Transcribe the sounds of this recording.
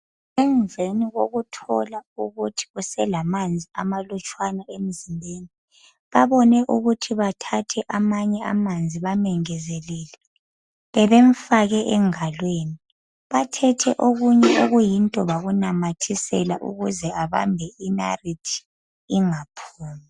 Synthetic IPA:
ɛnvʱeniɣoɣutʰɔlauɣutʰi̥usɛlamand͡zʱia̰malut͡ʃʼwanaem̩zimbʱeːni | βaβɔnɛʔuɣutʰiβatʰatʰɛʔamaɲɛa̰mand͡zʱiβamɛŋɛzɛlɛːlɛ | βɛβeɱfaɣɛʔɛŋalweːni | βatʰɛtʰɛʔoɣuɲɛoɣujintʼɔβaɣunamatʰisɛ̰laʔṵɣuzɛaβa̰mbʱɛʔina̰ritʰi̥ | iŋapʰuːmi

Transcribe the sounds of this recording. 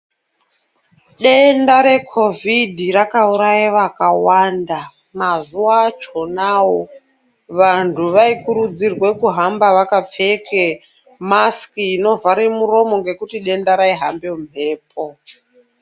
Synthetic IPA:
ɗendaɾe̞kʰo̞vidʱirakauɾajiʋakawanda | mazuat͡ʃo̞nawo | ʋantʰuʋaikuɾud͡zirwe̞kuɦambaʋakap͡fe̞ke | maskiːno̞vaɾemuro̞mo̞ŋɡe̞kutiɗe̞ndaɾaiɦa̰mbem̤ʱe̞ːp̚ʰo

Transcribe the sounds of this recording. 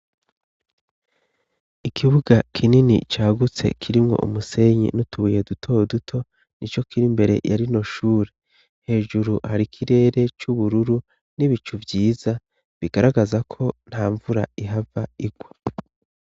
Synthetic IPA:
ikʰiβuɡakʰininḭt͡ʃaːɡut͡se̞̰kʰiɾimŋo̞̰ʔṵmuse̞ɲḭnutuuje̞dutʰo̞dutʰo̞ | nit͡ʃo̞kʰiɾimbe̞ɾe̞̰jaɾino̞ʃuːɾe | he̞ːʒuɾuhaɾikʰiɾe̞ːɾe̞t͡ʃuβuɾuɾu | niβit͡ʃuvjiːza | βiɡaɾaɡazakʰo̞n̥haːɱvuɾa̰iɦavaiɡ̥wa

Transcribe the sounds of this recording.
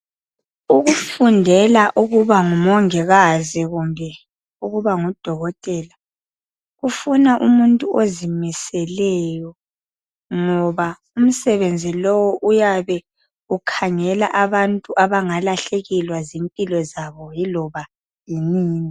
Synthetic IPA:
uɣufundʱɛlaʔuɣuβaŋumɔŋɛɣaziɣumbʱɛ | uɣuβaŋɔd̥ʱɔɣɔtʼɛla | ɣufunaʔumuntʼuʔozimisɛlɛjɔ | ŋɔβa | um̩sɛβend͡zʱilɔwɔʔujaβɛ | ɣukʰaŋɛla̰ʔaβantʼuʔaβaŋalaɬeɣilwazimpʼilɔzaβɔjilɔβa | jiniːŋi

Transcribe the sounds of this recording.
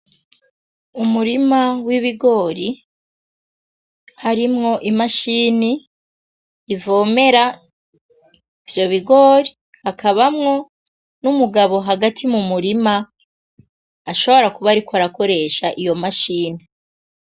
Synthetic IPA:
umuɾimawiβiɡo̞ːɾi | haɾimŋo̞ʔimaʃiːni | vo̞ːme̞ɾa | ivjo̞βiɡo̞ːɾi | hakaβamŋo̞ | numuɡaβo̞ɦaɡatʰimumuɾima | ʃo̞βo̞ɾakuβaɾikwaɾako̞ɾe̞ʃaʔijo̞maʃiːni

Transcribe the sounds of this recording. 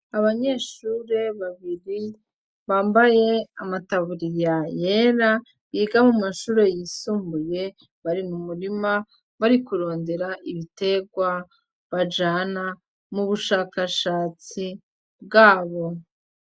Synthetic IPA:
aβaɲe̞ːʃuːɾe̞βaβiɾi | βaːmbaje̞amataβuɾijaje̞ːɾa | βiːɡamumaʃuːɾe̞jiːsuːmbuje̞ | βaɾimumuɾima | βaɾikuɾo̞ːnde̞ɾaʔiβite̞ɡwa | βad͡ʒaːna | muβuʃaːkaʃaːt͡si | b̚ɡaːβo̞

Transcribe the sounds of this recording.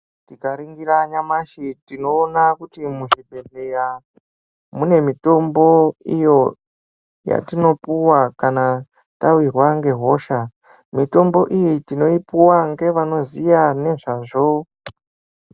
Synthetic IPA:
tikaɾiŋɡiɾaɲamaʃitino̞ːnakutimuʐibʱe̞ɬeja | mune̞mito̞mbo̞ijo̞ | ja̰tino̞puwakana | tawirwaŋɡe̞ɦo̞ʃa | mito̞mbo̞ʔijitino̞ipuwaŋɡe̞ʋano̞zijane̞ʐaʐo̞

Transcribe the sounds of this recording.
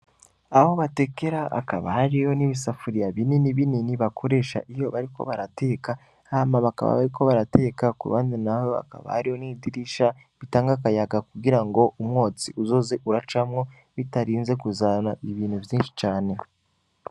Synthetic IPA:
ahoβate̞ke̞ɾaʔa̰kaβahaɾijo̞niβisafuɾijaβininiβininiβakʰo̞ɾe̞ːʃa̰ʔijo̞βaɾiko̰βaɾatʰe̞ːka | amaβaka̰βa̰βa̰ɾiko̞βaɾate̞kakṵβa̰ːndinahoa̰ka̰βa̰haɾijo̞nidiɾiʃa | βitaːŋɡakajaɡakuɡiɾaŋɡo̞ʔumŋo̞ːt͡siʔuzo̞ːze̞ʔuɾat͡ʃamŋo̞ | βitaɾiːnze̞kuzanaiβiːnhuvjiːnʃi̥t͡ʃaːne̞

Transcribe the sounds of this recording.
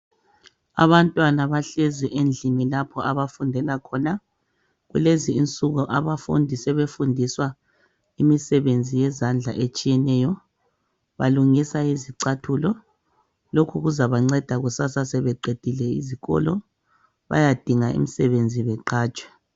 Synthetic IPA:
a̰βantʼwanaβaɬeziʔend͡ɮʱinilapʰɔaβafundʱɛlakʰɔna | ɣṵleziːnt͡sʼuɣuʔaβafṵndʱisɛβefundʱiswa | imisɛβend͡zʱijɛzand͡ɮʱaʔet͡ʃʼijɛnɛjɔ | βa̰luŋisaiziǀatʰulɔ | lokʰuɣuzaβaŋ͡ǀɛd̥ʱaɣusasasɛβɛǃed̥ʱilɛḭziɣɔ̰lɔ | βa̰jad̥ʱiŋaḭmisɛβend͡zʱiβɛǃaːt͡ʃʼwɛ̥

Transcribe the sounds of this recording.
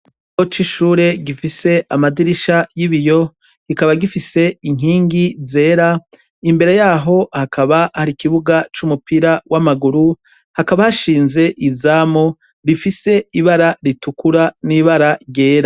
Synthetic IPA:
ot͡ʃiʃuːɾe̞ɡifise̞amadiɾiʃajiβijo̞ | ɡ̥ikaβaɡifise̞iŋ̥iːŋɡize̞ːɾa | imbe̞ɾe̞jaːɦo̞hakʰaβahaɾikiβuɡat͡ʃumupiɾawʔamaɡuɾu | hakaβahaʃiːnze̞ʔizaːmo | ɾifise̞iβaɾaɾitukuɾaniβaɾaɾje̞ːɾa

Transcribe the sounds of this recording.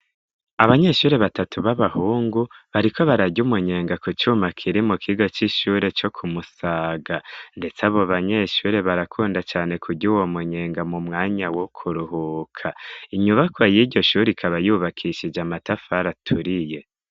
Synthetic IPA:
aβaɲe̞ːʃuːɾe̞βatatuβaβahuːŋɡuβaɾikʰo̞βaɾaɟumuɲe̞ːŋɡakut͡ʃuːmakʰiɾimukʰiɡo̞t͡ʃiʃuːɾe̞t͡ʃo̞kʰumusaːɡande̞t͡saβo̞βaɲe̞ʃuːɾe̞βaɾakʰuːndat͡ʃaːne̞kʰuɟuwo̞muɲe̞ːŋɡamumŋaːɲawokʰuɾuhukʰaiɲuβakwajiɟɟo̞ʃuːɾikʰaβajuβakʰiʃid͡ʒamatafaɾatʰuɾije̞

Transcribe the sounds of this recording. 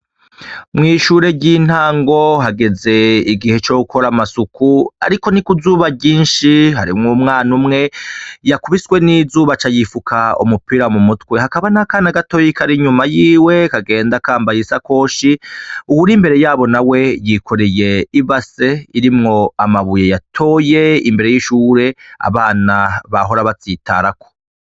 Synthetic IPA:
mŋiːʃuːɾe̞ɟiːn̥haːŋɡo̞ɦaɡe̞ze̞iɡihe̞t͡ʃoukʰo̞ɾamasukua̰ɾiko̞nikuzuːβaɟiːnʃiɦaɾḭmŋumŋaːnumŋe̞jakuβiswe̞nizuːβat͡ʃajifukʰaṵmupiːɾamumutwe̞hakaβanakaːnaɡato̞jikʰaɾiɲumajiːwe̞kaɡe̞ːndakaːmbajesako̞ːʃiuwuɾimbe̞ɾe̞jaːβo̞nawe̞jikʰo̞ɾeje̞iβase̞iɾimŋo̞amaβujejatʰo̞ːje̞ḭmbeɾe̞jiʃuːɾe̞a̰βaːnaβaɦo̞ɾaβat͡siːtʰa̰ɾako̥

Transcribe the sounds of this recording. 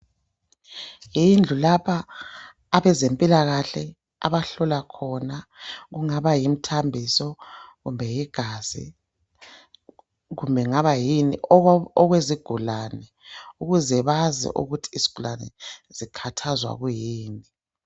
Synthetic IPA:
jind͡ɮʱulapʰaː | βɛzempʼilaɣaɬɛ | a̰βaɬɔlakʰɔnaɣuŋaβajim̩tʰambʱisɔɣumbʱɛjiɡ̥ʱaz̥ḭ | ɣumbʱɛŋaβajiniɔɣweziɡ̥ʱulanɛ | uɣuzɛβazɛ̰ʔṵɣutʰi̥ːzi̥ɡ̥ʱulanɛ̰z̥ikʰatʰazwa̰ɣujiːni

